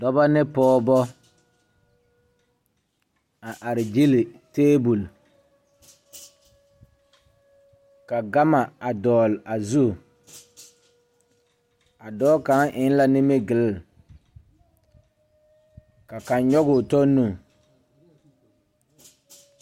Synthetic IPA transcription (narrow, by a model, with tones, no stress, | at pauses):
dɔ˦ba˦nɪ˦pɔː˦bɔ˦ | a˨ʔa˨ɾɪ˨d͡ʒi˦lɪ˨teː˦bu˨l | ka˨ɡa˦ma˨a˨dɔː˨la˨zu˦˨ | a˨dɔː˦ka˨˦ŋʔɪ˨˦n˦la˦nɪ˦mɪ˦ɡɪ˨lɪ˦˨l | ka˨ka˨nɲɔ˦ɡʊ˨tɔ˦nːũ˦˨